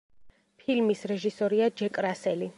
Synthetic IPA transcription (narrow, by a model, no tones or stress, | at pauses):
pʰilmisɾɛʒisɔɾiad͡ʒɛkʼɾasɛli